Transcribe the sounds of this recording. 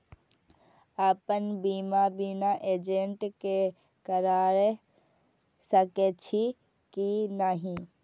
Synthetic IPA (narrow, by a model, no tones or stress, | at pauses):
aːpənbiːmabinaʔeːd͡ʒeɳʈke | kəɾaːɾe | səket͡ʃʰi | kinaɦĩ